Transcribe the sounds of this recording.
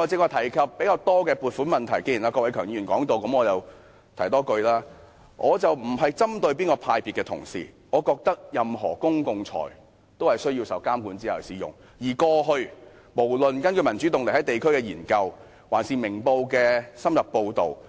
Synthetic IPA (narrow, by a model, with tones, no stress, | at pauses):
ɔː˨˧t͡sɪ˧kɔː˧t̪ʰɐ˨˩jkʰɐ˨p̚ːe˨˥kaː˧wt̪ɔː˥kɛː˧puː˨tfu˨˥nmɐ˨nt̪ʰɐ˨˩jke˥jiː˨˩naː˧kɔː˧wɐ˨˥jkʰœː˨˩ŋjiː˨˥y˨˩ŋkɔː˨˥ŋt̪o˨˧wkɐ˨˥mɔː˨˧jɐ˨w | t̪ʰɐ˨˩jt̪ɔː˥kɵ˧ɥlaː˥ | ʔɔː˨˧t͡sɐ˨wm̩˨˩ɦɐ˨jt͡sɐ˥mt̪ɵ˧ɥp̬iː˥nkɔː˧pʰaː˧jpiː˨t̚kːɛː˧t̪ʰʊ̰˨˩ŋsḭː˨˩ | ŋɔː˨˧kɔː˧k̚t̪ɐ˥k̚jɐ˨mɦɔ̰ː˨˩kʊ˥ŋkʊ˨ŋt͡sʰɔ̰ː˨˩j | t̪o˥whɐ˨˩jsɵ˥ɥjiː˧wsɐ˨˧wkaː˥mkuː˨˥nt͡si˥ɐ˨˩siː˨˧˥jʊ̰˨˩ŋ | jiː˨˩kɔː˧ɦɵ˧ɥ | mo˨˩wlɵ˨nkɐ˥nkɵ˧ɥmɐ˨˩nt͡ʃy˨˥t̪ʊ˨ŋle˨khɐ˨˦˥jt̪e˨jkʰɵ˥ɥkɛː˧jiː˨˩nkɐ˧w | wa̰ː˨˩nsiː˨˩mɪ˨˩ŋpo˧wkɛː˧sɐ˥mjɐ˨p̚po˧wt̪o̰˨˩w